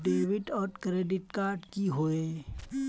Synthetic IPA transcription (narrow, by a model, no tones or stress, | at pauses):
ɖeːʋɪʈɔːɾkɾeːɖɪʈkaːɾɖkiɦoːeː